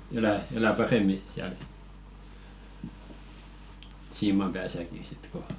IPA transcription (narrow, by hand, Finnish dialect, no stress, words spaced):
elæ elæ pɑremˑi siæl siːmɑm pæːsæki sit ko